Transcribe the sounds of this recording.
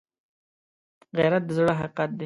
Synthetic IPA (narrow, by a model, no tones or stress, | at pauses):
ɣaɾat̪̚d̪əzɽoɦaqat̪̚d̪e